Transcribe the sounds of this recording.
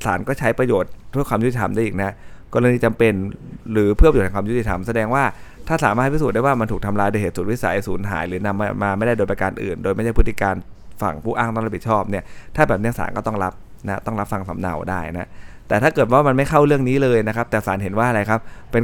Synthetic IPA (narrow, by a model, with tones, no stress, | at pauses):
sa̰ː˩˦nkɔː˥˩t͡ɕʰa˦˥jpɾa˧joː˨˩t̪̚du˥˩kwaː˧mjt̪i˨˩t̪ʰa˧mda˥˩jʔiː˨˩k̚na˦˥kɔː˧ɾa˧niː˦˥˩t͡ɕa˧mpe˧nɾɯː˩˦pʰɯ˥˩p̪̚ːʰkwaː˧ju˦˥t̪i˧˩t̪ʰa˧msa˧dɛː˧ŋwaː˥˩t̪ʰaː˥˩saː˩˦maː˥˩t̪̚ʰi˥suː˨˩da˥˩waː˥˩ma˧nt̪ʰuː˨˩kt̪ʰa˧mlaː˧jdoː˧heː˨˩t̪̚su˨˩t̪̚wi˦˥sa̰˨˩˦jsuː˩˦nɦa̰ː˩˦jɾɯː˩˦na˧mːa˧mːaː˧ma˥˩jda˥˩doː˧jp̬a˧kaː˧nʔɯ̰ː˨˩ndoː˧jma˥˩da˥˩pʰt̪ːi˧˩kaː˧nfa̰˨˩ŋpʰuː˥˩ʔaː˥˩ŋna˦˥˩ɾa˦pi˨˩t͡ɕʰɔː˥˩p̚ni˥˩ɐt̪ʰaː˥˩bɛː˨˩p̚ni˥ɐsa̰ː˩˦nkɔː˥˩t̪ɔ˥˩ŋɾa˦˥p̚ | na˦˥t̪ɔ˥˩ŋɾa˦˥p̚fa˨˩ŋsa˩˦mna̰˨˩wdaː˥˩jna˦˥ʔt̪ɛː˨˩t̪ʰaː˥˩kɤː˨˩t̪̚waː˥˩ma˧nma˥˩jxʰa˥˩wɾɯ˥˩əŋniː˦˥lɤː˧jna˦˥kʰa˦˥p̚t̪ɛː˨˩saː˩˦nɦe˩˦nwaː˥˩ʔa˧ɾa˧jkʰa˦˥p̚pe˧n